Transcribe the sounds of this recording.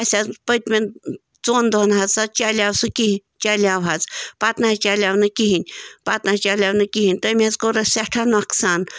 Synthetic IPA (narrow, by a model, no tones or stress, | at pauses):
ɐsʲapət̪̚ʲmʲen | t͡soːnd̪onɦɐzsat͡ʃaːlʲaːwsɨkit͡ʃaːlʲawɦɐt͡spat̪naɦɐt͡ʃaːlʲaːwnɨkiɦinʲpat̪nat͡ʃaːlʲaːwnɨkiɦinʲt̪əmʲiɐzkoɾɐsʲaʈʰanɐksaːn